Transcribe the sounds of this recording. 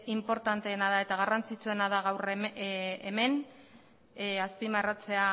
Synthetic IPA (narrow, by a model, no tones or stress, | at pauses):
impo̞ɾt̪ant̪e̞ːnaðae̞t̪aɣ̞arant͡sit͡sue̞naðaɣawr | eme̞n | aspimarat͡se̞a